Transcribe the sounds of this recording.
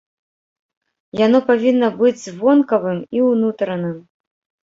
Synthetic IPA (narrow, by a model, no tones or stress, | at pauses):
janɔpavʲinːɐbɨd͡zʲzvɔnkɐvɨmiwnut̪ɾɐnɨm